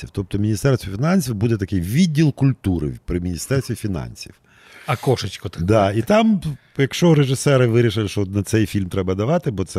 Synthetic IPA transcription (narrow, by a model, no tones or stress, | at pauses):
iwt̪ɔp̚t̪ɔmʲinʲist̪ɛrst̪ʋʲɔfʲinɑnʲsʲiwbud̪ɛt̪ɐkɪjʋʲidʲːilˠkʊlʲt̪uɾɪ̰pɾɪmʲinʲist̪ɛrst̪ʋʲifʲinɑ̰nʲsʲḭw | ɐkɔʃɪt͡ʃkɔt̪d̪ɑit̪ɑm | jɐkʃt͡ʃɔɾeʒɪsɛɾɪʋɪɾʲiʃɪlˠɪʃt͡ʃɔnɐt̪sɛjfʲilʲmt̪ɾɛbɐd̪ɐʋɑt̪ɪbɔt̪sɛ